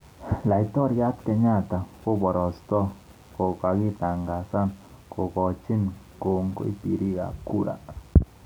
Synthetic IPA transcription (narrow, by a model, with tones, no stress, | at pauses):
la˨i˨tɔ˦ɾja˦tkɛ˨ɲa˦˨ta˨ko˦bɔ˨ɾɔ˨stɔ˦ | kɔ˨ka˨ɡɪ˦t̪a˨ŋɡa˨sa˦nkɔ˨kɔ˨t͡ʃɪ˦n | ko˨ŋko̰˦i˦pi˨ɾi˦ɡa̰˨ku˦ɾa̰˨